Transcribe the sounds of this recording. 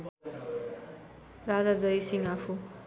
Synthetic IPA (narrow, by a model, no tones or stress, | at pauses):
rad͡zad͡zʌjsiŋapʰu